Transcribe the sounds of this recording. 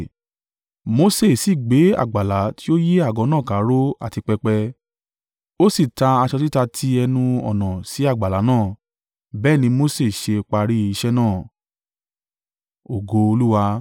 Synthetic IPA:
mo˧se˦˨si˦˨ɡ͡be˨˦a̰˦˨ɡ͡ba˨la˨˦ti˦o˦je˦a˦˨ɡɔ̃˨˧˦nãː˦˨ka˨˦ɾo˦a̰˦˨ti˧k͡pɛ˧k͡pɛ˧ | o˦si˦˨ta˧a˧ʃɔ˧ti˦ta˧tʰi˧ɛ˧nũ˧ɔ̰˨nã˨si˨˦a˦˨ɡ͡ba˨la˨˦nãː˦˨ | bɛː˦˨nĩ˧mo˦se˦˨ʃe˧k͡pa˧ɾi˦i˧ʃɛ˦nãː˦˨ | o˨ɡo˧o˧lu˦wa˧

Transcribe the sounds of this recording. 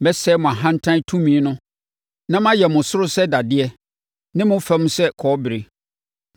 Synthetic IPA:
mɛ˦sɛ˦mʊ̃˨a˨ɦã˦n̩˦tʰã˦n˦tʰũ˦mĩ˦nʊ̃˦ | nã˦mã˦jɛ˨mʊ̃˨sʊ˦ɾʊ˦sɛ˦da˨dɪ˦ɛ˦ | nɪ̃˦mʊ̃˦fɛ˦m̃˦sɛ˦kʰɔ˨˦bɪ˨ɾe˨

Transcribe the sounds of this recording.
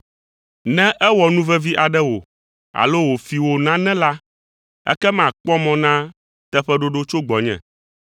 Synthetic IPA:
nɛ̃˦ʔɛ˦wɔ˨nũ˦vɛ˦vi˦ʔa˨ɖɛ˦wo̰˨ | a̰˨lo˦wo˨fi˨wo˨nã˦nɛ̃˦la˦ | ɛ̰˦kɛ˦m˦ã˨k͡pɔ˦mɔ̃˦nã˦ | t̪ɛ˦ɸɛ˦ɖo˦ɖo˦t͡ʃo˦ɡ͡bɔ˨ɲɛ̰̃˨

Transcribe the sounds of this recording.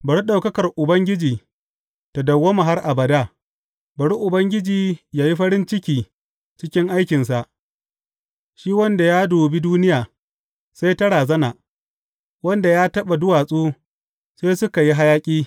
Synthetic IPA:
bɐ˨ɽi˦ɗa˨wkɐ˦kɐ˨rʔʊ˨bɐ˦ŋɡʲɪ˦d͡ʒiː˨ | ta˨dɐ˨wːoː˦ma˨ɦa˦rʔa˨bɐ˨daː˦ | bɐ˨ɽi˦ʔʊ˨bɐ˦ŋɡʲɪ˦d͡ʒiː˨jaː˨ji˦ɸɐ˦ɽɪ˦nt͡ʃɪ˦kʲiː˨ | t͡ʃɪ˦kʲɪ˦ŋʔa˦jkʲɪ˨nsa˨ʔ | ʃiː˦wɐ˦nda˨jaː˦doː˨bi˦duː˦nɪ˦jaː˨ | sa˦jtɐ˦ɽaː˨zɐ˦na˨ | wɐ˦nda˨jaː˦tɐ˦ɓa˨dʊ˦waː˨sʼoː˦ | seː˦sʊ˦ka˨ji˦ɦa˦jaː˦kʲʼiː˦

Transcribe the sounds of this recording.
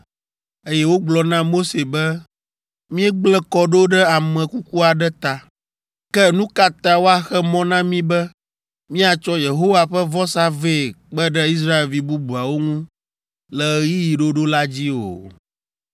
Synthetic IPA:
e˦jɛ˦wo˦ɡ͡blɔ˨nã˦mo˦se˨bɛ˦ | mĩ˦ɛ˦ɡ͡blɛ˦kɔ˨ɖo˦ɖɛ˦a˨mɛ̃˨ku˦ku˦a˨ɖɛ˦t̪a˨ | kɛ˦nũ˦ka˨t̪a˨wo˦a˨xɛ˦mɔ̃˦nã˦mĩ˦bɛ˦ | mĩ˦a˨t͡ʃɔ˦je˨ɦo˦wa˨ɸɛ˦vɔ˦sa˦ve˦˨k͡pɛ˦ɖɛ˦i˦s̬ɾa˦e˨lvi˨bu˦bu˨a˨wo˦ŋũ˦ | lɛ˨˦ji˦ji˨ɖo˦ɖo˦la˦d͡ʑi˦o̰˨

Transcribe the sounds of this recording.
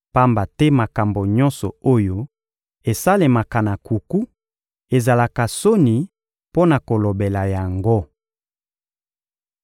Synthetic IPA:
pa˦mba˨tɛ˦ma˨ka˨mbo˨ɲɔ˦nsɔ˨o˦jo˦ | e˨sa˦le˨ma˨ka˨na˨ku˨ku˦ | e˨za˨la˨ka˨so˦ni˨ | po˦na˨ko˨lo˨be˨la˨ja˨ŋɡo˦

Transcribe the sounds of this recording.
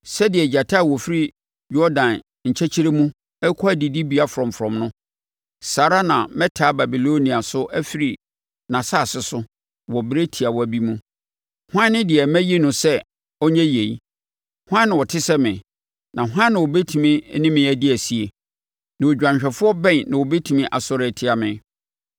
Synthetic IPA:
sɛ˦dɪ˨ɛ˨d͡ʑa˨tʰa˦˨wɔ˨fɪ˦ɾi˦ | jɔ˦dã˨n | ɲ̩˨t͡ɕʰɛ˦t͡ɕʰi˦ɾe˦mũ˦ | ɛ˦kʰɔ˦æ˦˨di˨di˦bi˨˦a˦fʊ˨ɾɔ̃˨mfɾɔ̃˨mnʊ̃˦ | saː˨ɾa˦nã̰˨mɛ̃˦tʰaː˨˦ba˨bi˨lo˦nĩ˨a˨sʊ˦ʔæ˦fi˨ɾi˨ | nã˨saː˦˨sɪ˨sʊ˦ | wɔ˨bɪ˦ɾe˦tʰi˨a˨wɔ˦æ˨bi˦mũ˦ | hã˦nɪ̃˦dɪ˨ɛ˨mæ̃˦je˦nʊ̃˨sɛ˦ | ɔ˦ɲɛ̃˦je˨i˦ | hʷʊ˦ã˦nːɪ̃˨wɔ˨tʰɪ˦sɛ˦mɪ̃˨ | nã˨ɦã˦nːɪ̃˨wɔ˨be˦tʰu˨mɪ̃˦nɪ̃˦mɪ̃˨æ˨di˦æ˨si˦e˨ | nã˨wo˨d͡ʑᶣã˨ɕᶣɛ˨fʊ˦ɔ˦bɛ̃˦˨nnã˨wɔ˨be˦tʰu˨mĩ˦ʔa˨sɔ˦ɾɛ˨tʰɪ˦a˨mɪ̃˨

